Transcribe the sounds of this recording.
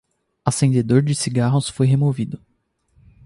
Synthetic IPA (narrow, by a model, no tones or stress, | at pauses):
asẽnd̪ed̪oɾd͡ʒɪsiɡaɦʊsfojɦemovid̪ʊ